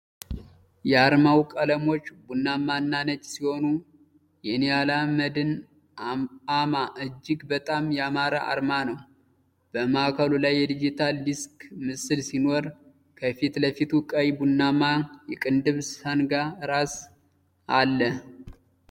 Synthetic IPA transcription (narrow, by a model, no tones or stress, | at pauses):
jɛaɾmawkʼələmo̞t͡ʃːbunːamanːanət͡ʃʼːsiho̞nu | jɛnijalaməd̪ɨn | amaʔɨd͡ʒːɪɡbət̪ʼamjɛamaɾaʔa̰ɾmanəw | b̥əmaakʰəlulajːɛd̪id͡ʒit̪ʰaldiskmɨsɨlsino̞ɾ | kʰəfit̪ləfit̪ʰukʼəwibunːamajɛkʼɨnd̪ɨβsənɡaɾas | alːə